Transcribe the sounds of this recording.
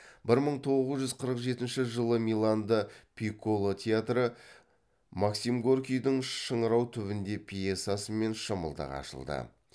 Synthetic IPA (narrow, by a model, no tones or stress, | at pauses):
bɪɾməɴt̪ʰo̞ʁəzʒʏzqʰəɾəqʒe̞t̪ɪnʃɪʒəlˠəmilˠand̪əpʲʰikolˠot̪ʲʰeat̪ɾə | maksimɡorkʲijd̪ɪɴʃəɴəɾɑwt̪ʰʏβɪnd̪e̞pʲʰijet̪sasəme̞nʃəməlˠd̪ɑ̰qɑ̰ʃə̰lˠd̪ə̰